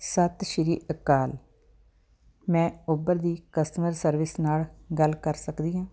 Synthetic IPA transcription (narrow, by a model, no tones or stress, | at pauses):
sət̪ʃɪɾiːʔəkaːl | mɛ̃ːʊbəɾd̪iːkəst̪məɾsəɾʋɪsnaːlɡəlkəɾsəkd̪iːɦãː